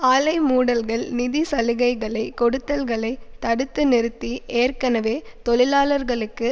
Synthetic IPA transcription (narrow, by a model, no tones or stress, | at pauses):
aːlɐɪmuːɽɐlɣɐɭnɪðisɐlɯɣɐɪɣɐɭɐɪkɔɽɯt̪ːɐlɣɐɭɐɪt̪ːɐɽɯt̪ːɯnɪɾɯt̪ːiʔeːrkɐnɐʋeːt̪ɔɭɪlaːlɐɾɣɐɭɯkːɯ